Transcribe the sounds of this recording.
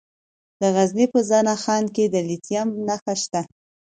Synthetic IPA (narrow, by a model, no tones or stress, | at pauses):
d̪əɣaznipəzɑnaxɑnked̪əlit̪jamnaxaʃt̪a